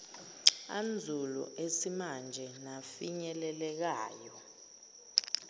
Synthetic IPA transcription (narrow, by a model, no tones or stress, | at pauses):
and͡zʱulɔ̰ʔesimand͡ʒʱɛnafiɲɛlɛlɛk̬aːjɔ